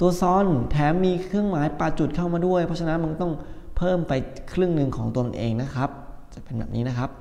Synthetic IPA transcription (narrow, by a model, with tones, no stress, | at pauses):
t̪u˧ɐsɔː˦˥nt̪ʰɛː˩˦mːiː˧kʰɾɯ˥˩əŋmaː˩˦jpa˨˩t͡ɕu˨˩t̪̚kʰa˥˩wmaː˧du˥˩əjpʰɔ˦˥t͡ɕʰa˧na˦˥nma˧nt̪ɔ˥˩ŋpʰɤː˥˩mpa˧jkʰɾɯ˥˩əŋnɯ˧ŋkʰɔː˩˦ŋt̪u˧nʔeː˧ŋna˦˥kʰɾa˦˥p̚t͡ɕa˨˩pe˧nbɛ̰ː˨˩p̚niː˦˥na˦˥kʰa˦˥p̚